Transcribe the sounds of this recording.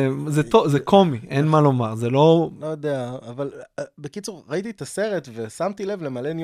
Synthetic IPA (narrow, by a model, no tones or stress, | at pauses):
ezet̪ozekʰo̞miʔenmalo̞maʁzelo̞lojod̪eaːvalbekit͡suʁʁait̪̬it̪ase̞ʁe̞tve̞samt̪ile̞vle̞malenj